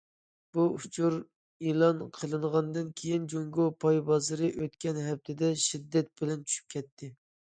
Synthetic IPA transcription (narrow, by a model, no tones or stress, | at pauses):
b̥uut͡ʃʰuɾ | elˠɑnqʰəlˠɨɴʁɑnd̪ɨnkʲʰejind͡ʒoŋɡopʰɑjbɑzɨɾɨʔøt̪kʲɛnɦɛp̚t̪ʰɪd̪ɛʃid̪ːɛt̪̚bɪlɛnt͡ʃʰy̥ʃy̥p̚kʲʰɛt̪ʰːɪ